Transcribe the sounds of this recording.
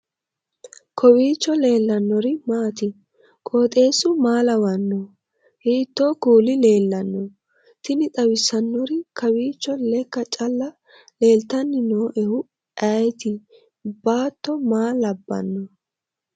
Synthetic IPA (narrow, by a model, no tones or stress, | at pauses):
kɔwiːt͡ʃːɔle̞ːlːɐnːɔɾɪmaːt̪ɪ | kʼoːt̪ʼe̞ːsʊmaːlɐwɐnːɔ | hiːt̪ːoːkuːlɪle̞ːlːɐnːɔ | t̪ɪnɪt̪ʼɐwɪsːɐnːɔɾɪkʰɐwiːt͡ʃːɔlɛkːɐt͡ʃʼɐlːɐ | le̞ːlt̪ɐnːɪnoːʔɛhʊ | ʔɐjt̪ɪ | baːt̪ːɔmaːlɐbːɐ̰nːɔ